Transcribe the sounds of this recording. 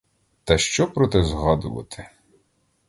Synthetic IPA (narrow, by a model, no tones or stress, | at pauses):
t̪ɐʃt͡ʃɔpɾɔt̪ɛzɦɑd̪ʊʋɐ̰t̪ʰɪ̥